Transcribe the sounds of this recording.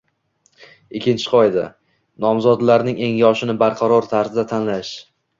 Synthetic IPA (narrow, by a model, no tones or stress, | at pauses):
ɪkʲʰːɪnt͡ʃʰɪ̥qʰɒjd̪a̰ | nɒmzɒd̪laɾnɪŋe̞ŋjɒʃɪnɪbaɾqʰɑɾɒɾt̪ʰaɾzɪd̪at̪ʰanlaʃ